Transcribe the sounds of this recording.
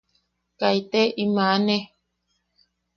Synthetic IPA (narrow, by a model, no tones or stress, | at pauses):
kait̪eʔimane